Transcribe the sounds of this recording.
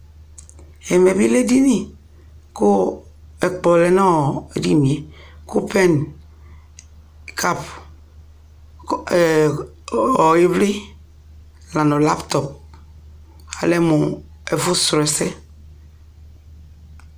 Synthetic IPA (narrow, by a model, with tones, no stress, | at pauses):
ɛ˨me˨bi˦le˦di˦ni˦ | ko˦ | ɛ˨k͡pɔ˨lɛ˨nɔ˦˨e˨di˦ni˨e˨ko˦pɛ˦n | kʰa˦p | ɔ˨e˦vli˦ | la˨nɔ˨la˦pt̪ɔ˨p̚ | a̰˨lɛ˦mu˨ | e˨vu˦sɾɛ˨sɛ˦